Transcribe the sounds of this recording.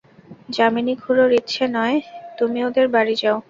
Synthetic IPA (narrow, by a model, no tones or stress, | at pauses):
d͡ʑaminiɡʱuɾoɾit̪ːʃʰenɔet̪umiod̪eɾbaɽid͡ʑao